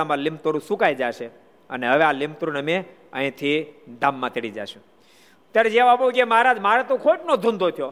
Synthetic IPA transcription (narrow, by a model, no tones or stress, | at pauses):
amãlɪmt̪oɾũsukajd͡ʒaʃe | əneɦəʋealɪmt̪oɾunəme | ə̰̃ĩt̪ʰid̪amːãt̪eɽid͡ʒa̰ʃũ | t̪jaɾed͡ʒeʋapokemaɾad͡ʒmaɾet̪okʰoiʈnod̪ʱʊ̃nd̪ʱot̪ʰijo